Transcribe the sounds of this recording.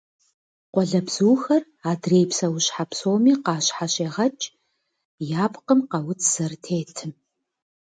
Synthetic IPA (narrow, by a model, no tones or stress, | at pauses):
qʷɔɮɐbz̥uːxɐr | aːdreːjpsɐwɕħapsoːmiːqɑːɕħaɕʼeːʁɐt͡ʃʼ | jaːpqəmqɐwʊt͡sʰz̥ɐrtʰeːtʰɨ